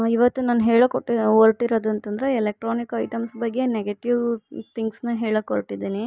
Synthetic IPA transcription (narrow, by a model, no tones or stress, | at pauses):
iʋɐt̪ːunaːnɦeːɭɐkoʈːioɾʈiɾod̪uɐnt̪ɐnd̪ɐɾeelek̚ʈɾoːnikɐjʈɐmsbɐɡːe̞neɡeʈiʋt̪ʰiŋɡsnɐɦeːɭɐkoɾʈid̪iːni